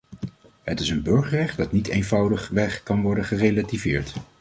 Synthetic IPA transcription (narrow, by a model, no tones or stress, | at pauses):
ɦətɪsənbɵɹχəɹrɛχtdɑtnitejnvʌwdəχʋɛχkɑnʋɔɹdəχərejlativɪ̰ːɹt